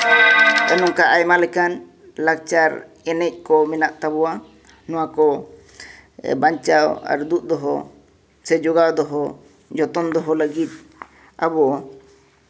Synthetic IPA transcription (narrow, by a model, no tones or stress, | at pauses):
ɔnɔŋkaʔajmalɛkan | lak̚t͡ʃaɾ | ɛnɛc̚ˀkɔmɛnaʔt̪abɔwa | nɔw̃akɔ | baɲt͡ʃawa̰ɾd̪ut̪̚d̪ɔɦɔ | sɛd͡ʒɔɡad̪ɔɦɔ | d͡ʒɔt̪ɔnd̪ɔɦɔləɡit̪̚ | abɔʔ